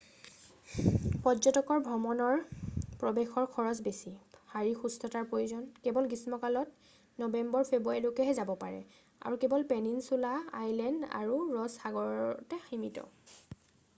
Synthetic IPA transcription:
pɔzɔtɔkɔɹbʱɹɔmɔnɔɹpɹɔbexɔɹkʰɔɹɔsbesihaɹixustʰɔtaɹpɹojuzɔnkɛbɔlɡismɔkalɔt | nɔbɛmbɔɹpʰebuaɹjlokɛɦɛzabɔpaɹɛ̰ | a̰ɹukɛbɔlpɛninsulaa̰jlɛnda̰ɹuɹɔsxaɡɔɹɔtɛximitɔ̰

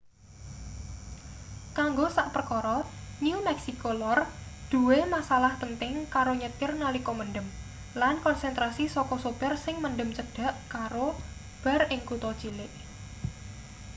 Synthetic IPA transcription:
kaŋɡosaʔpərkɔɾɔnumɛksikolɔrd̪̥ṳwemasalahpənt̪ɪŋkaɾoɲət̪ɪrnalikɔmənɖəm | lankɔnsɛnt̪ɾasisɔkɔsupərsɪŋmənɖəmt͡ʃəɖ̥a̤ʔkaɾo | b̥a̤rʔɪŋkut̪ɔt͡ʃilɪʔ

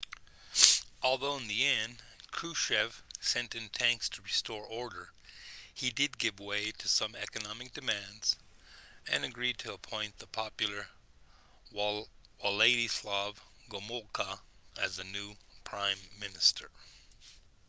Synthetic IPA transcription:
ʔɔlˠðoʊɨ̃nðiɛ̃nd̥kʰɹ̥ʉʃɛv̥sɛ̃ntɨ̃ntʰæ̃ŋkstʰəɹɨstɔɹʔɔɹɾə˞ | idɨd̚ɡɪvweɪɾɨsʌ̃mɛkɨnɑmɨk̚d̥ɨmæ̃ndz̥ | ɨ̰̃nɨɡɹid̚tʰɨəpʰɔ̃ɪ̃nðəpʰɑpjl̩ˠə˞ | waleɪɾislɑv | ɡomɔlˠkʰəɨzɨnʉpʰɹ̥ãɪ̃mːɪnɨstʰə̰˞

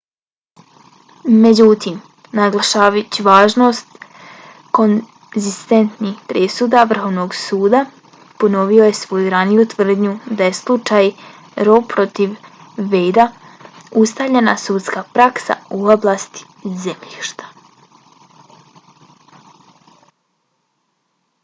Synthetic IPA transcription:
me̞d͡ʑut̪im | naɡlˠaʃaːʋat͡ɕiʋaːʒno̞st̪ | ko̞n | zist̪e̞nt̪nixpɾesud̪aʋr̩xo̞ʋno̞ɡsuːd̪a | po̞no̞ʋio̞je̞sʋo̞juɾanijut̪ʋr̩d̪ɲud̪aje̞slˠut͡ʃaj | ɾo̞pɾo̞t̪iʋː | e̞jd̪a | ust̪aʋʎe̞na̰suːt̪skapɾaksa̰uoblˠast̪i̥ | zemʎiːʃt̪ḁ

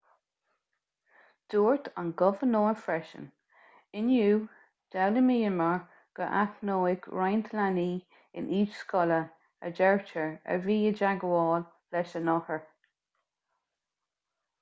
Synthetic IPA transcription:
d̥uːɹtʰa̰nɡɔvənoːfɹɛʃə̰n | ɪnjuː | d̥awləmiːəməɹ | ɡ̥əʔaknoːɪɡɹajntʰəlaniː | ɪ̰nʔiːt͡ʃskɔlə | ə̰d͡ʒɛɹt͡ʃəɹə̰viːəd͡ʒaɡəwɔːl | lɛʃənɔhəɹ

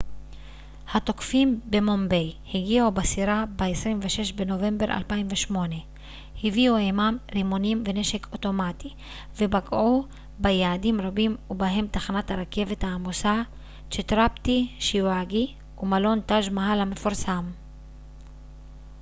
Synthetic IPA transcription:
hat̪o̞kfimbe̞mo̞mbejhiɡiʕubasiʁabeesʁimveʃe̞ʃbeno̞ve̞mbe̞ʁa̰lpaimveʃmo̞ne̞ | hiviuejmamʁimonimve̞ne̞ʃe̞kʰo̞to̞mati | vebaɡʕu | bejaːdimʁabimubaɦe̞mt̪aχanathaʁake̞ve̞thaːmosa | t͡ʃet̪ʁapt̪iʃiwaɡi | umalo̞nt̪aʒmaɦalhame̞foʁsam

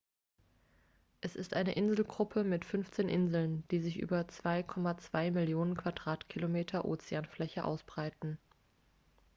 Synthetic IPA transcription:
ʔɛsɪstʔaɪnəʔɪnzl̩ɡʁʊpʰəmɪtfʏnft͡seːnʔɪnzl̩nd̥iːzɪçʔy̰ːbɐt͡sv̥aɪkʰɔmat͡sv̥aɪmɪljoːnənkʰv̥adʁaːtkʰilomeːtʰɐʔo̰ːt͡seaːnflɛçəʔa̰ʊsb̥ʁaɪtn̩

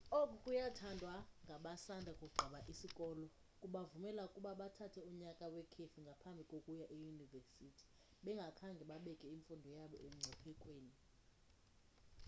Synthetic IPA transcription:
okʼukʼujatʰandʱwaŋɡʱaɓasandʱakʼuɡ͡ǃʱaɓaʔisikʼɔlɔ | kʼuɓavumɛlaukʼuɓaɓatʰatʰɛuɲakʼawɛkʰefiŋɡʱapʰambʱikʼokʼujaʔejuniversitʰi̥ | ɓɛŋɡʱakʰaŋɡʱɛɓaɓɛkʼɛiɱfundʱɔjaɓɔ̰ʔem̩ŋ͡ǀʱɛpʰɛkʼweːni

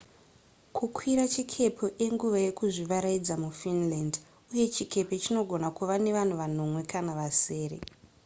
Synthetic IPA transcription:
kukʰwiɾat͡ʃikʰe̞pʰoʔeŋɡuʋaje̞kuʐiʋaɾaid͡zamufinland | uje̞t͡ʃikʰe̞pe̞t͡ʃino̞ɡʱo̞nakuʋane̞ʋan̤uʋano̞mwe̞kanaʋase̞ːɾḛ

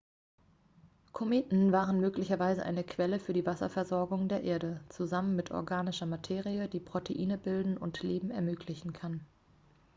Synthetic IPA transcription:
kʰomeːtn̩vaːʁənmøːklɪçɐvaɪzəʔa̰ɪnəkʰv̥ɛləfyːɐdiːvasɐ̰fɛɐzɔɐɡʊŋdeːɐʔeːɐɾət͡suzamənmɪtʰʔɔ̰ɐɡaːnɪʃɐmatʰeːʁiədiːpʁ̥otʰeʔiːnəbɪldn̩ʊ̰ntleːbm̩ɛɐmøːkʰlɪçn̩kʰan

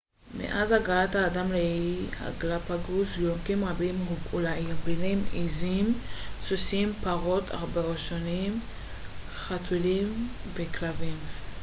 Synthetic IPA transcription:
mḛʔazhaɡalathaːdamleia̰ɡlapaɡuzjomkimʁabimulailbilimizimsusimpaʁo̞tʰa̰ʁbeʁeʃonim | χatʰulim | veklavim

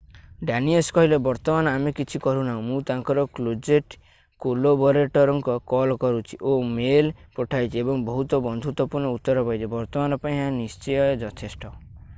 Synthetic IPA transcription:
ɖaniɔskɔɦilebɔɾt̪ɔmanɔamekit͡ʃʰikɔɾunaɦũmũt̪aŋkɔɾɔklod͡ʒeʈ | kolobɔɾeʈɔɾɔŋkɔkɔlkɔɾut͡ʃʰi̥ʔomelpɔʈʰajt͡ʃʰiebɔŋbɔɦut̪ɔbɔnd̪ʱut̪wɔpuɾɳɔut̪ːɔɾɔpajt͡ʃʰibɔɾt̪ɔmanɔpaĩɦãnist͡ʃɔjɔed͡ʒɔt̪ʰesʈɔ

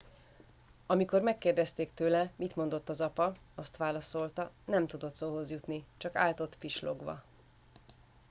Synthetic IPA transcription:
ɒmiko̞rmɛkːeːrd̪ɛst̪eːkt̪øːlɛmit̪mo̞nd̪o̞t̪ːɒzɒpɒ | ɒst̪ʋaːlɒso̞lt̪ɒ | nɛmt̪ud̪o̞t̪soːɦo̞zjut̪nit͡ʃɒka̰ːlt̪o̞t̪fiʃlo̰ɡʋɒ̰

